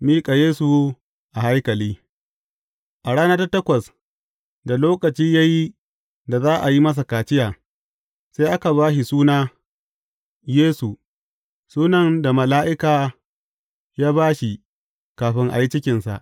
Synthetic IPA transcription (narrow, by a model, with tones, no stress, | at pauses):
miː˦kʼa˨jeː˦su˨ | ʔa˨ha˦jkɐ˨liː˦ | ʔa˨ɽaː˦nɐ˦ta˦tɐ˦kʷɐ˨s | da˨loː˦kɐ˨t͡ʃiː˦ja˦ji˦ | da˨zaː˦ʔa˨ji˦mɐ˦s̬a˨kaː˨t͡ʃɪ˦jaː˨ | sa˦ʔa˦ka˨βaː˦ʃi˨suː˦naː˦ | jeː˦su˨ | suː˦nɐ˨nda˨mɐ˨laː˦ʔɪ˦kaː˨ | jaː˦baː˦ʃi˨ | kaː˨ɸɪ˦ŋʔa̰˨ji˦t͡ʃɪ˦kʲɪ˨nsa̰˨ʔ